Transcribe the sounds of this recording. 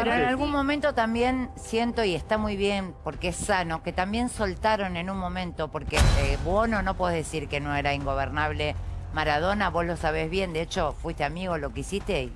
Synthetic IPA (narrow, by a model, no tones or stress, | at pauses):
enoenalɣunmõ̞mẽnt̪o̞t̪ambje̞nsje̞nt̪o̞iest̪amujβje̞npo̞ɾkeesano̞ke̞t̪ambje̞nso̞lt̪aɾo̞ne̞nunmõ̞mẽnt̪o̞po̞ɾkeβwono̞no̞pweðeðesiɾkeno̞eɾaiŋɡo̞β̞eɾnaβle̞maɾað̞o̞naβo̞zlo̞saβe̞zβje̞nd̪eet͡ʃo̞fwist̪eamiɣolo̞keisist̪e